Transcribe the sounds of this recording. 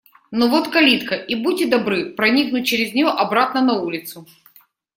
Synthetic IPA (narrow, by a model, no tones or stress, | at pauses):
novot̪kɐlʲit̪kəʔibuːɪd̪ɐbɾɨpɾɐnʲiknʊt̚ʲt͡ɕɪɾʲɪzʲnʲɪjoʔɐbɾat̪nənɐulʲɪt̪sʊ